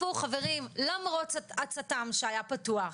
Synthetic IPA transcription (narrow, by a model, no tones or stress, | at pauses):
uχave̞ʁimlamʁot͡stat͡satamʃeajapatuaχ